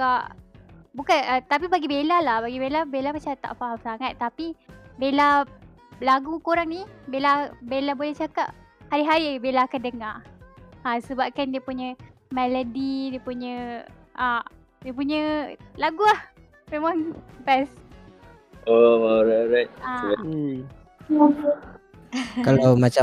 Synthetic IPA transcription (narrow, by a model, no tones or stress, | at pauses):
kaʔbukanət̪ap̬ibaɡibelalahbaɡibelabelapat͡ʃat̪a̰ʔfaɦamsaŋat̪ːapibela | laɡukoɾaŋnibelabelabolɛht͡ʃakap̚ | haɾiɦaɾibelakandəŋa | asəbap̚kandiəpuɲə̃mɛlodidiəpuɲə̃ʔa | diəpuɲəlaɡuah | memaŋbɛs | oɾaɾajt̪̚aai | kalawmat͡ʃa